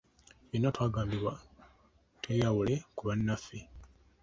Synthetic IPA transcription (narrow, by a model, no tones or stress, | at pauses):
βinːotwaːɡaːmbiβwa | twejawulekuβanːafːi